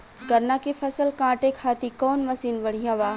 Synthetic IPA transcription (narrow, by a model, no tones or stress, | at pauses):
ɡɐɾnakifʰɐsəlkãːʈekʰaːt̪ikɔːnmɐsiːnʋɐɽ̤ijãʋaː